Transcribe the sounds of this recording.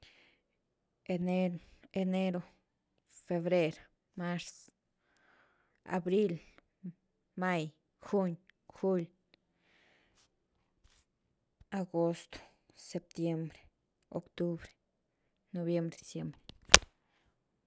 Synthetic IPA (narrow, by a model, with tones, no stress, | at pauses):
enee˧ne˦ɾo˧ | fe˧βɾe˦ɾ | ma˦ɾs | a̰˨bɾi˦l | ma˦j | xu˦ɲxu˦l | aɡo˦st̪o̥˨ | se˧p̚t̪je˦mbɾe̥ | o̰˨kt̪u˦bɾe̥˨ | no˧βje˧mbɾed̪i˨sje˧˦mbɾe̥